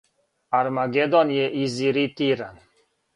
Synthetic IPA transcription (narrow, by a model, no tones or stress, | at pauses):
aɾmaɡed̪ɔnjeʔiziɾit̪iɾan